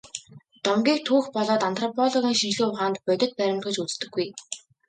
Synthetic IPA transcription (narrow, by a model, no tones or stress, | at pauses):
t̪ɔmɡʲiːk̚t̪ʰuːxpɔɮɔːt̪ant̪rɔpʰɔɮɔɣʲiːŋʃint͡ɕɮɘ̆ːʊχaːnt̪pœt̪ʲɪ̆t̪̚pæɾʲɪ̆mt̪ɡɘ̆t͡ɕut͡st̪ɵ̆ɡːuj